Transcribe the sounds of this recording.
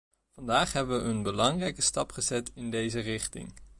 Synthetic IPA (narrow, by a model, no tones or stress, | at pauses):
v̥ɑndaːχɦɛbəʋəʔənbəlɑŋrɛjkəstɑpχəzɛtɪndejzərɪχtɪ̰ŋ